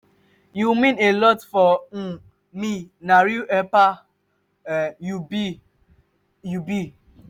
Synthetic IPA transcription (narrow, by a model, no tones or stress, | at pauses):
jumĩnelɔtfɔ | minaɾiɛpa | jub | jubi